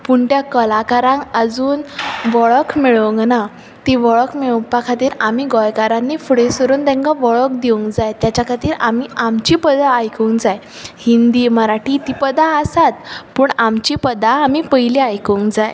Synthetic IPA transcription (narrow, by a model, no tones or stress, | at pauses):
puɳt̪jakəlakaɾãŋkəd͡zuːnʋɔɭəkʰmiɭəŋɡna | t̪iʋɔɭəkmeɭpakʰat̪iːɾamiːɡɔjkaɾanːiːfuɽesʋəɾuːnd̪ɛ̃ŋkaʋɔɭəkd̪iuŋkd͡zajt̪jat͡ɕjakʰat̪iːɾamiːamt͡ɕiːpəd̪aːjkuŋkd͡zaj | hind̪iːməɾaʈiːt̪ipəd̪aəsat̪̚puːɳamt͡ɕiːpəd̪aːmipəiliajkəŋkd͡zaj